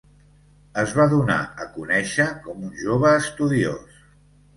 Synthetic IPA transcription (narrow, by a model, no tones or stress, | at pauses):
əzβaðuna̰əkunɛʃəkɔmunʲʒoβəːst̪uðio̰s